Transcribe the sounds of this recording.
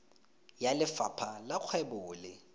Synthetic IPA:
jalɪfapʰalak͡xʰwɛbʊːlɪ

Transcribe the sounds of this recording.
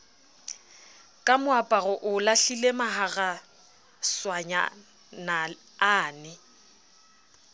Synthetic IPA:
kʼamʊapʼaɣɔʔʊlaɬilemaɦaɣa | swaɲa̰ | na | aːnɪ

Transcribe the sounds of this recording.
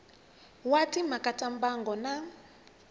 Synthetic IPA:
watimakatʼambaŋɡɔna

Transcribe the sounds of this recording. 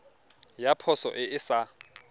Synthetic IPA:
japʰɔsɔ̰ʔɪɪsa

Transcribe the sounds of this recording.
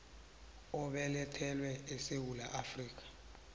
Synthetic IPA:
ɔɓɛlɛtʰɛlwɛesewulaʔafriːk̬ḁ

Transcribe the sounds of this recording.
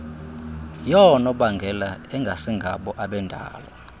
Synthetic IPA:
jɔnɔɓaŋɡʱɛlaɛŋɡʱasiŋɡʱaɓɔʔaɓɛndʱa̰ːla

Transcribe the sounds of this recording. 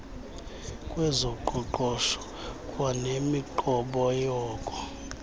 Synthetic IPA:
kʼwɛzɔǃuǃɔʃɔ̥ | kʼwanemiǃɔɓɔjɔːkʼɔ̥

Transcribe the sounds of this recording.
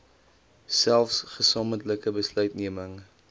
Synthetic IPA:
sælˠfsχəsɑːməntləkəbəslœɥtniəməŋ

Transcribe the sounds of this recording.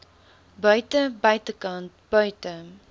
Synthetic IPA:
bəɥtəbɐjtəkant̚b̥əɥtə

